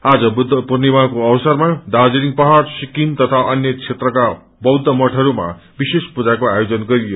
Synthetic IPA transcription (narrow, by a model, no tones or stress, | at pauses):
ad͡zʌbud̪ʱpurnibakoʌbsʌrmad̪ad͡ziɾiŋpʌɦarsikint̪ʌt̪ʰaʔʌnjʌt͡sʰet̪rʌka | bʌwd̪ʱːʌmʌʈʰʌɾuma̰ | bisespud͡zakoajod͡zʌnɡʌɾijo